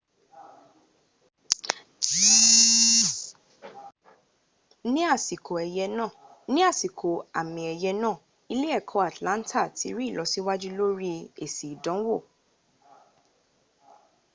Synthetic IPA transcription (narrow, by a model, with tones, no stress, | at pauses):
nĩ˦a˦˨si˨kʰo˨ɛ˧jɛ˧nã˦˨ | nĩ˦a˦˨si˨kʰo˨a˨mĩ˨ɛ˧jɛ˧nãː˦˨ | i˧le˦ɛ˦˨kʰɔ̃˨˧˦a˦˨tlã˨˦n̩˦tʰa˦˨tḭ˨˦ɾi˦˨lɔ˨˧˦si˦wa˦d͡ʒu˦lo˦ɾi˦e˦˨si˨i˨dɔ̃˨˦wo˦˨